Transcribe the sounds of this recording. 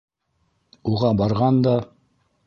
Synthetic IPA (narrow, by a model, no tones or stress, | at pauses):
uʁɑbɑɾʁɑnd̪ɑ